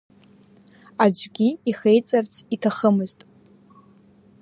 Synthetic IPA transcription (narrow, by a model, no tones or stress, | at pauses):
ad͡ʒʷɡʲiiχejt͡sʼart͡sʰitʰaχəmɨztʼ